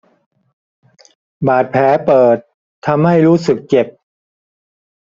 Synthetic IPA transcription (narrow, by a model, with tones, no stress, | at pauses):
baː˨˩t̪̚pʰɛː˩˦pɤː˨˩t̪ʰː | a˧mha˥˩jɾuː˦˥sɯ˨˩k̚t͡ɕe˨˩p̚